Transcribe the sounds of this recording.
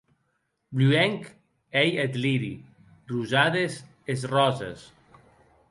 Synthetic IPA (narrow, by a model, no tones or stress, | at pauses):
bluɛŋk | ejet̪liɾḭ | ruzaðez | ezrɔzḛs